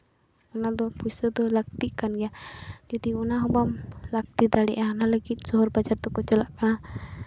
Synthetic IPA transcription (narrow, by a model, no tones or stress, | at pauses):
unad̪ɔpusəd̪ɔlak̚t̪ikanɡijad͡ʒad̪iunaɦubamlak̚t̪id̪alḭʔanalaɡizɔɦɔrbad͡ʒart̪ɔkɔt͡ʃəlaʔkana